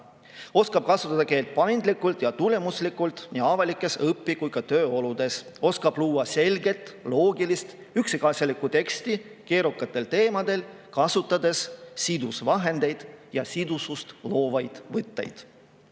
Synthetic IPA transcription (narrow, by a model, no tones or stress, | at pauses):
o̞skɑb̥̚kɑsut̪ːˑɑd̪ɑke̞ːlt̪̚pɑjnd̪likːult̪jɑt̪ule̞muslikːˑult̪niɑvɑlikːˑe̞sɤpːikujkɑt̪ø̞ːo̞lud̪̥e̞s | o̞skɑb̥luːwɑse̞lɡe̞t̪ˑlo̞ːɡilist̪ | yksikɑsʲjɑlikːˑut̪e̞kst̪ike̞ːɾukːˑɑt̪ːˑe̞lt̪e̞ːmɑd̪̥e̞l | kɑsut̪ːˑɑd̪e̞ssid̪usvɑɦe̞nd̪̥e̞jd̪̥jɑsid̪usust̪lo̞ːvɑjd̪̥vɤt̪ːe̞̰jd̪̥